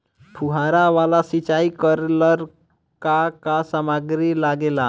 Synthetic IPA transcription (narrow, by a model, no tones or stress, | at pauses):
pʰuɦaɾaʋalasit͡ʃaikəɾləɾ | kakasamaɡɾilaɡela